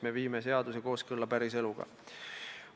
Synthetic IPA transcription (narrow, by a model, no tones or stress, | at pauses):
me̞viːmes̬e̞ɑd̪̥use̞ko̞ːskɤlːɑpæɾise̞luɡ̥ɑ̰